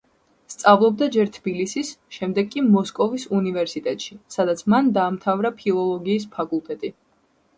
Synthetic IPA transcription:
st̪sʼavlˠɔb̚d̪ad͡ʒɛɾt̪ʰb̥ilisisʃɛmd̪ɛɡkʼːimɔskʼɔvisunivɛɾsit̪ʼɛt̪ʼʃisad̪at̪sʰmand̪aːmt̪ʰavɾapʰilˠɔlˠɔɡiːs̬pʰakʼulˠt̪ʼɛt̪ʼi

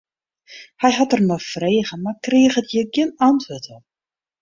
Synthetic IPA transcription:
hɛjɦatərnɔfreːɣəmarkrɪəxətjəɡɪənantʋøtʰɔ

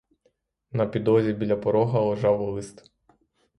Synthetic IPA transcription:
nɐpʲid̪ɔzʲibʲilʲɐpɔɾɔɦɐlˠɔʒɑwɔlˠɪst̪

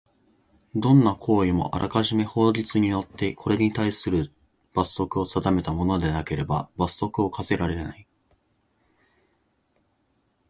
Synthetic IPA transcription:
d̪õ̞nːakʰo̞ːimo̞̰ʔa̰ɾʔa̰kaʑime̞ho̞ːʑit͡sɨɲ̟ijo̞t̪ʰːe̞kʰo̞ɾe̞ɲ̟it̪aisɨɾɯ̟ | b̥asːo̞kɯ̟o̞sad̪ame̞t̪amo̞no̞d̪e̞nake̞ɾe̞ba̰basːo̞kɯ̟o̞kase̞ɾaɾe̞nai

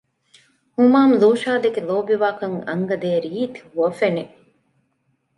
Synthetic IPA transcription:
humaːmluːʃaːd̪eɡeloːbiʋaːkɐŋɐ̰ŋɡɐd̪eːɾiːt̪huɐfene

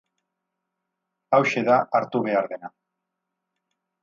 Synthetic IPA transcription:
awʃe̞ðaʔaɾt̪uβe̞aɾðe̞na

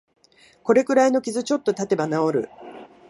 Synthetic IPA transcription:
ko̞ɾe̞kɯ̟ɾaino̞kʲizɨt͡ɕo̞t̪ːo̞t̪at̪e̞banao̞ɾɯ̟̰

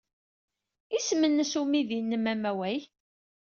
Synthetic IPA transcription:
ismənːəsumiðinːəmæmæwæj

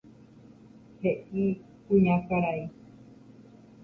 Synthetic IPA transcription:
heʔi | kũɲãkaɾai

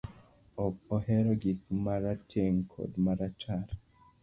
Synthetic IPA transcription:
ɔkɔhɛɾɔɡikmaɾatʰeŋkʰo̰dmaɾat͡ʃaɾ

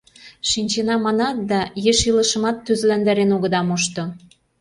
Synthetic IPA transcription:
ʃinʲt͡ɕenɑmɑnɑt̪̚d̪ɑjeʃilɤ̆ʃə̆mɑt̪ːyzlænd̪æɾenoɣə̆d̪ɑmuʃt̪ŏ

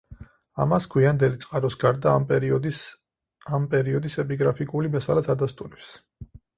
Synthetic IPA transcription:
a̰maskʰwiand̪ɛlit̪sʼqʼaɾɔsɡaɾd̪a | ampʼɛɾiɔd̪isɛpʼiɡɾapʰikʼulimɛsalaad̪ast̪ʼuɾɛps

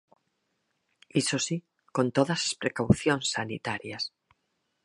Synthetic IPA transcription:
isosi | kont̪oðasḁspɾekawθjonsːanḭt̪aɾjas

